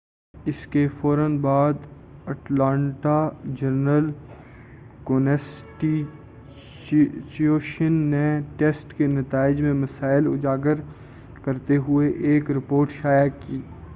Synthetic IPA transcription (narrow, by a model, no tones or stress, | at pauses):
ɪskefɔːɾənbaːd̪ɐʈlãːɳʈad͡ʒɐɾnəl | koːnɛsʈi | t͡ʃoːʃənːeʈeːsʈkenɐt̪aːɪd͡ʒmẽmɐsaːɪlʊ̰d͡ʒaːɡəɾ | kɐɾt̪eɦʊeʔeːkɾɪpoːɾʈʃaːjakiː